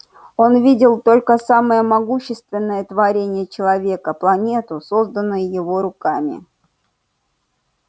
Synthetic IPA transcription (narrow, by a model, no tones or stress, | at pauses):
o̞nvʲidʲɪlˠt̪o̞lʲkəsaməjəmɐɡuɕːɪst̪vʲɪnːəjət̪vɐɾʲenʲɪjət͡ɕɪlˠɐvʲe̞kəplˠɐnʲe̞t̪ʊso̞zd̪ənːʊjʊjɪvo̞ɾʊkamʲɪ̰